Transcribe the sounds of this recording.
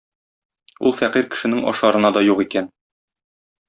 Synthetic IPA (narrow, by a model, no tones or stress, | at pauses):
ṵlˠfæqiɾkɘ̥̆ʃɘ̆nɘŋɒ̰ʃɑɾɤ̆nɑd̪ɒjuʁikæn